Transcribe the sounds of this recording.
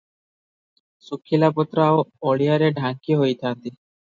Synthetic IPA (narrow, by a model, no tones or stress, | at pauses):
sukʰːilapɔt̪ɾaoɔɭijaɾeɖʱaŋkiɦojt̪ʰant̪i